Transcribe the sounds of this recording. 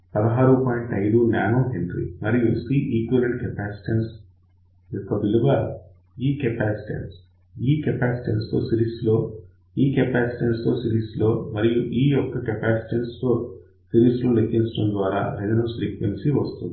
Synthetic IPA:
pɐd̪ɐɦaːɾupaːjiɳʈɐjd̪unaːnoːɦenɖɾḭmɐɾijusiʔiːkʋɐlɐɳʈ̚kɛpæːsi̥ʈens | jɔkːɐbilubɐ | iːkɛpæːsi̥ʈḛns | iːkɛpæːsi̥ʈenst̪o̞̰ːsiɾiːslo̞ː | iːkɛpæːsi̥ʈenst̪o̞ːsiɾiːslo̞ːmɐɾijuʔiːjɔkːɐkɛpæːsi̥ʈenst̪o̞ː | siɾiːsloːlekːinsʈɐmd̪ʋaːɾa̰ːɾed͡ʒɐnɐsɾiːkʋensiʋɐst̪und̪i

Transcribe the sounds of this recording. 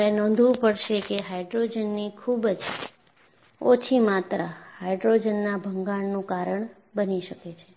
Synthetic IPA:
enɔ̃nd̪ʱʋũpəɽʃekeɦajɖɾod͡ʒənːikʰubd͡ʒ | ot͡ʃʰimat̪ɾahajɖɾod͡ʒənːabʱəŋɡaɳnũkaɾəɳ | bəniʃəket͡ʃʰe

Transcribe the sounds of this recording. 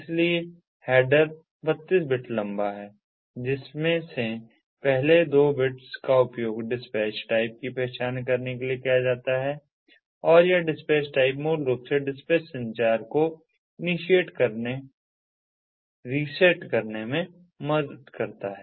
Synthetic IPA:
ɪslie | hɛːɖəɾ | bɐt̪ːiːs̬bɪʈʰlɐ̃mbaɦɛː | d͡ʒɪsmẽse | pɛɦled̪oːbɪʈskaʊpjoːɡɖɪspɛːt͡ʃʈaːɪp̚kipɛːt͡ʃaːnkɐɾnekeliekijad͡ʒaːt̪aɦɛː | ɔːɾjaɖɪspɛːt͡ʃʈaːɪp̬moːɾloːɡseɖɪspɛːt͡ʃsɐ̃nt͡ʃaːɾko | ɪnɪʃieːʈkɐɾne | ɾiːseʈkɐɾnemẽ | mɐd̪əd̪kɐɾt̪aɦɛː

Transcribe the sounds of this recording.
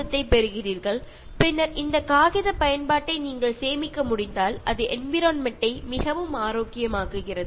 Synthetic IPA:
ɐt̪ːɐɪpɛɾɯɣɪriːɾɣɐɭ | pɪnːɐɾɪnd̪ɐkaːɣɪðɐpɐjɐnpaːʈːɐɪniːŋɡɐɭseːmɪkːɐmʊɽɪnd̪aːlʔɐðɯʔɛnʋɪɾoːnmɛʈːɐɪmɪɣɐʋɯmaːɾoːkːɪjɐmaːɣɯɣɪrɐðɯ

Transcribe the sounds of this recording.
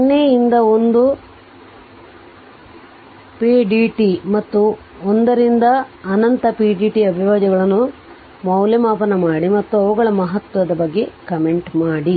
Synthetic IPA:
nːeːjind̪ɐond̪u | piɖiʈimɐt̪ːu | ond̪ɐɾind̪ɐːnɐnt̪ɐpiːɖiːʈiɐbʱiʋaːd͡ʒɐɡɐɭɐnːu | mɐwlɐmaːpɐnɐmaːɽimɐt̪ːuɐʋuɡɐɭɐmɐɦɐt̪ʋɐd̪ɐbɐɡːe̞kɐme̞ɳʈmaːɽi

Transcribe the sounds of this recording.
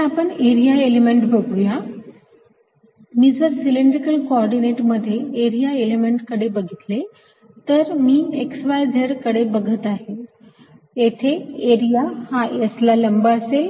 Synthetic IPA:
apəɳeɾijaelemeɳʈbʱəɡuja | mid͡zəɾsiliɳɖɾikəlkoɔɾɖineʈməd̪ʱːjeeɾijaelemeɳʈkəɽebəɡʱit̪le | t̪əɾmiːeksʋajd̪ʱeɽkəɽebəɡʱət̪aɦe | et̪ʰeeɾijahaəslaləmbəəse

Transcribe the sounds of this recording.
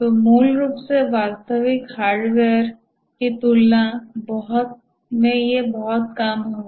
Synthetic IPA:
t̪omuːlɾuːpseʋaːɾt̪əʋɪkɦaːɾɖʋeɾ | kit̪uːlːãbɔɦʊt̪̚ | mẽjebɔɦʊt̪̚kaːmɦoː

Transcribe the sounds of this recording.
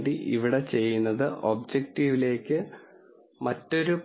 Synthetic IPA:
diʔiʋiɽe̞t͡ɕe̞jːunːɐðɨʔoːb̚d͡ʑek̚ʈiːʋile̞ːkʲːɨ | mɐtːo̞ɾup

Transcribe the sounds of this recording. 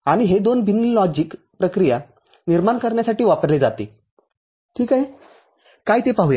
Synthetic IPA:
aɽ̃iɦed̪onbʱinilɔd͡ʑik | pɾəkɾija | niɾmaɳkəɾɳjasaʈiːʋapəɾled͡zat̪e | ʈʰiːkaɦe | kajit̪epaɦuja

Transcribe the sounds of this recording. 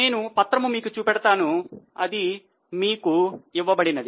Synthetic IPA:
ne̞ːnupɐt̪ɾɐmumiːkut͡ʃuːpɛɽɐt̪aːnuɐd̪i | miːkuiʋːɐbɐɽinɐd̪i

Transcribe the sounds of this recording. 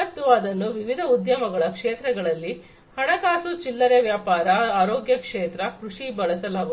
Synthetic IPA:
ɐt̪ːuɐd̪ɐnːuʋiʋid̪ʱɐud̪jɐmɐɡɐɭɐkʂeːt̪ɾɛɡɐɭɐlːi | hɐɽɐkaːsut͡ʃilːɐɾeʋjaːpaːɾɐaːɾoːɡjɐkʂeːt̪ɾɐkɾuʂibɐɭɐsɐlaːɡu

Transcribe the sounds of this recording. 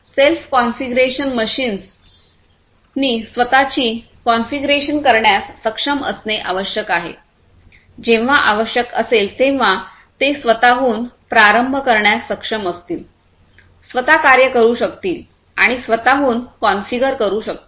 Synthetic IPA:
selfkɔnfiɡɾeɕənməɕiːns | niːsʋət̪at͡ɕiː | kɔnfiɡɾeɕənkəɾɳjasːəkʂəmə̰sneʔaʋəɕjəkaɦḛ | d͡ʑẽʋ̤aʔaʋəɕjəkəselt̪ẽʋ̤a | t̪esʋət̪aɦuːnpɾaɾəmbʱəkəɾɳjasːəkʂəməst̪iːl | sʋət̪akaɾjəkəɾuːɕəkt̪iːl | a̰ɽ̃isʋət̪aɦuːnkɔnfiɡəɾkəɾuːɕək̚t̪ː

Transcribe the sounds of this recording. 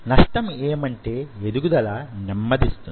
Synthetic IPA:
nɐʂʈɐmeːmɐɳʈe̞ːed̪uɡud̪ɐlaːnimːɐd̪ist̪un

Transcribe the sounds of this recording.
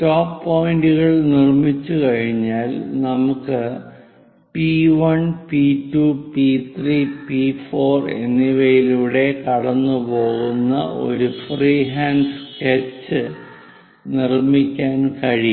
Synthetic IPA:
toːpːoːjinduɣɐɭnirmit͡ɕːukɐɻiɲːaːlnɐmukːɨ | piʋɐnpitːuːpit̪ʰripifo̞ːre̞̰nːiʋɐjiluːɽe̞kɐɽɐnːupo̞ːɣunːɐ̰ʔo̞̰ɾufriːɦaːnsket͡ɕːɨ | nirmikʲːaːnkɐɻi

